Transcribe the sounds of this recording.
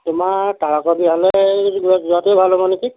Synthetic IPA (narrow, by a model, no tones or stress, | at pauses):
tʊmataɹakɔbiɦalɛɡuɔszuateobʱalɔmɔneki